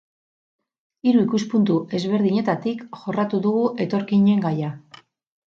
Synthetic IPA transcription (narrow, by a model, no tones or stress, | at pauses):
iɾuikuspunt̪uʔe̞zβe̞ɾðiɲe̞t̪at̪ikʝo̞rat̪uðuɣuʔe̞t̪o̞ɾkiɲe̞ŋɡaja